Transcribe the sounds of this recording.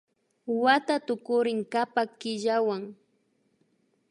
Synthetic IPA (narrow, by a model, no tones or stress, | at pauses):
wat̪at̪ʊkʊɾɪŋkapakɪʎawaŋ